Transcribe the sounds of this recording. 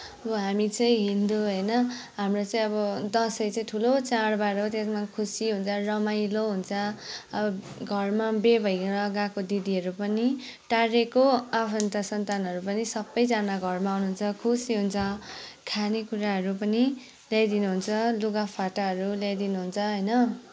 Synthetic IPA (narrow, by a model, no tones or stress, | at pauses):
ʌbʌɦamit͡sʌĩɦind̪oɦʌjnʌɦamrot͡sãĩʌβʌd̪ʌsʌjt͡saĩʈʰulot͡saɽbaɾot̪esmakʰusiɦunt͡sʰʌrʌmajloɦunt͡sʰʌʌbʌ | ɡʱʌrmabebʱʌjʌɡakod̪id̪iɦʌɾupʌniʈaɾekoapʰʌnt̪asʌnt̪anɦʌɾupʌnisʌbːʌjd͡zanaɡʱʌrmawnuɦunt͡sʰʌkʰusiɦunt͡sʰʌkʰanekuɾaɦʌɾupʌni | ljajd̪inuɦunt͡sʰʌluɡapʰaʈaɦʌɾuljajd̪inuɦunt͡sʰʌɦʌjnʌ